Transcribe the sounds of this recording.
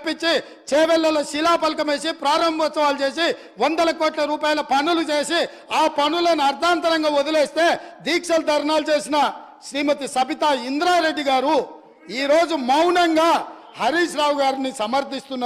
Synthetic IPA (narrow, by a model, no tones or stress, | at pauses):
pːit͡ʃːi | t͡ʃeːʋɛlːɐloʃilaːpɐlkɐme̞ːsipɾaːɾɐmbʱɐt͡ʃːɐʋaːlut͡ʃe̞ːs̬i | ʋond̪ɐlɐkoːʈlɐɾuːpaːjɐlɐpɐnːulut͡ʃe̞ːsi | aːpɐnulɐnuɐɾd̪ʱaːnt̪ɐɾɐŋɡaːod̪ɐleːst̪e̞ːd̪iːkʂɐld̪ʱɐɾɐnaːlut͡ʃe̞ːsinɐ | ʃɾiːmɐt̪isɐbit̪aːind̪ɾaːɾe̞ɖːiɡaːɾu | iːɾo̞ːd͡ʒumɐwnɐŋɡaː | hɐɾiːʃɾaːwuɡaːɾinisɐmɐɾd̪ʱist̪unː